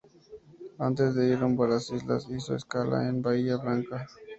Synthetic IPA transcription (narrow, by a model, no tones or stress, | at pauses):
ant̪e̞zd̪e̞iɾumbalasizla̰siso̰eskala̰enbaiʝaβlaŋka